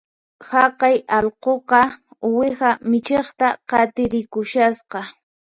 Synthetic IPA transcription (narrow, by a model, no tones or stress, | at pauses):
hɑqɑjɑlqoqɑʊwɪxamɪt͡ʃeχt̪aqɑt̪ɪɾɪkʊʃasqɑ